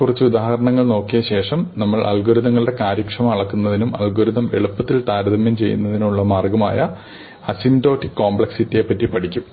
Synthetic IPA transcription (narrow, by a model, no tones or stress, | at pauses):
kurit͡ɕːɨud̪aːhɐɾɐɳɐŋːɐɭno̞ːkːijɐɕe̞ːʂɐmnɐmːɐɭʔɐ̰lɡuɾuðɐŋːɐɭɽe̞kaːɾjɐkʂɐmɐmɐɭɐkːunːɐðinumɐ̰lɡuɾuðɐme̞̰ɭupːɐt̪ːilt̪aːɾɐðɐmjɐmt͡ɕe̞jːṵnːɐðinuɭːɐmaːrɡɐma̰ːjɐ | ɐsimto̞ːtːikːoːmbɭeksitːijepːɐtːipɐʈʰikʲːum